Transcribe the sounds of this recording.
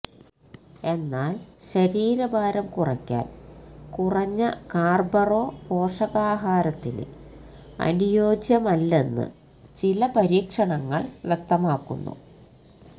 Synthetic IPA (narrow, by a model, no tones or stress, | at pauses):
e̞nːaːlɕɐɾiːɾɐbʱaːɾɐmkurɐkʲːa̰ːnkurɐɲːɐkaːrbɐro̞ːpo̞ːʂɐɣaːɦaːɾɐt̪ːinɨ̰ | ɐ̰nijo̞ːd͡ʑjɐmɐlːe̞nːɨ̰ | t͡ɕilɐpɐɾiːkʂɐɳɐŋːɐ̰ɭʋjek̚t̪ɐmaːkːṵnːṵ